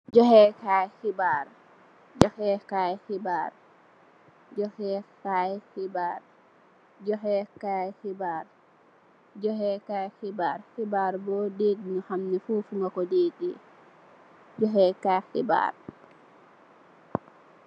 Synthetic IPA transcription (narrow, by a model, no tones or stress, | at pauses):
d͡ʒɔhɛkajxibaɾ | d͡ʒɔhɛkajxibaɾ | d͡ʒɔhɛkajhibaɾ | d͡ʒɔɦɛkajxibaɾ | d͡ʒɔɦɛkajxibaɾhibaːɾbɔdeːdnɔhamnɛfuːfuŋakɔdeːɗḭ | d͡ʒɔɦɛkaxḭba̰ɾ